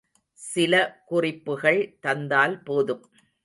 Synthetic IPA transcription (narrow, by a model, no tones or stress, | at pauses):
sɪlɐkʊrɪpːɯɣɐɭt̪ɐnd̪aːlpoːðɯm